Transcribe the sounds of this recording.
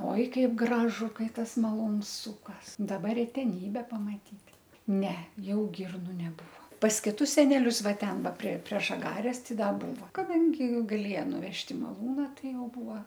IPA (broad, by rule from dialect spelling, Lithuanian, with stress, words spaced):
ˈoːɪ ˈkɐɪp ˈɡrɑːʒʊ ˈkɐɪ ˈtɐs mɐˈlˠuːns ˈsuːkɐs dɐˈbɐ rʲɛtʲɛˈnʲiːbʲɛ pɐmɐˈtʲiːtʲ ˈnʲɛ ˈjɛʊ ˈɡʲɪrnʊ nʲɛˈbuːʋoː pɐs kʲɪˈtʊs sʲɛˈnʲæːlʲʊs ˈʋɐ ˈtʲɛn ˈʋɐ pʲrʲiɛ pʲrʲiɛ ʒɐˈɡɑːrʲɛs ˈtɐɪ ˈdɐ ˈbuːʋɐ kɐˈdɐŋʲɡʲɪ ɡɐˈlʲeːjɛ nʊˈʋʲɛʃʲtʲ ɪ mɐˈlˠuːnɐ ˈtɐɪ ˈjɛʊ ˈbuːoː